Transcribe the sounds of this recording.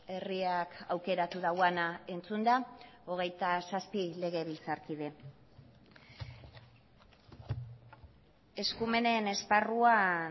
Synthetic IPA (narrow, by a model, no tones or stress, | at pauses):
e̞riakawke̞ɾat̪uðawanae̞nt͡sund̪ao̞ɣ̞e̞jt̪asaspile̞ɣ̞e̞βilt͡saɾkiðe̞ | e̞skume̞ne̞ne̞sparua